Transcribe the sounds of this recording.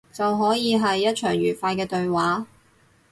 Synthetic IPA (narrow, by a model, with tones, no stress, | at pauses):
t͡sɐ˨wɦɔː˨˥jiː˨˧ɦɐ˨jːɐ˥t̚t͡ʃʰœː˨˩ŋɥyː˨˩faː˧jkɛː˧t̪ɵ˧ɥwaː˨˥